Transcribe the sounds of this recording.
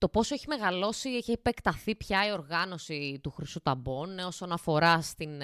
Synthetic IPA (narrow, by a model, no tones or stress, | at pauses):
t̪o̞po̞soeçimeɣɐlo̞siiçeːpekt̪ɐθipçɐio̞ɾɣɐno̞sit̪uxɾisut̪ɐbono̞so̞nɐfo̞ɾɐst̪in